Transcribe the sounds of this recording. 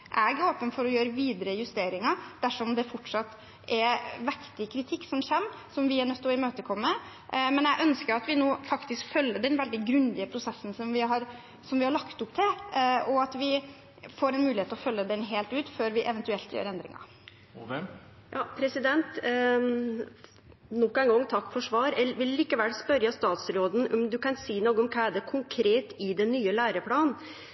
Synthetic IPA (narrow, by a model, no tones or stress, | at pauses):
ʔæɡəoːpənfɔɾɔjøːɾəʋiːd̪əɾəjʉst̪eːɾɪŋɑd̪̥æʂɔmd̪ɛfɔʈʂɑt̪ː | ʔɛɾʋɛkt̪ɪkʰɾɪt̪ʰɪkːsɔmɕɛmːsɔmʋɪæɳœt̪ʰːɔɪmøːt̪əkʰɔmːə | mɛnjæɡʔœnskəɾɑt̪ʋɪnoːfɑkt̪ɪskfœlːəɖ̪ɛnʋɛld̪ɪɡɾʉnd̪ɪəpʰɾʊsɛsːən̩sɔmʋɪɦɑɾ | sɔmʋɪhɑɭɑkt̪ʊpt̪ʰɪlʔɔɑt̪ʋɪ | foːɾɛnmʉːlɪheːt̪lɔfœlːəd̪ɛnɦeːlt̪ʉːt̪føːɾʋɪʔɛʋɛnt̪ʉɛlt̪jø̰ːɾɛnd̪ɾɪ̰ŋɑ̰ | jɑːpʰɾɛsɪd̪ɛnt̪ | nɔkːɛɪŋɡɔŋːt̪ʰɑkːfɔʂʋɑːɾɛlʋɪlːɪkːəʋɛlspœɾjɑst̪ɑːt̪sɾoːd̪n̩ɔmd̪ʉkɑnsiːnoːɡəʊmkʰɑːæd̪ɛkʰʊŋkʰɾeːt̪ɪd̪ɛnːyːəlæːɾəpʰɽɑːn